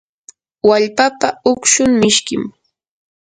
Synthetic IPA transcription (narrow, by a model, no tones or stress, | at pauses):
waʎpapaʊkʃʊŋmɪʃkɪm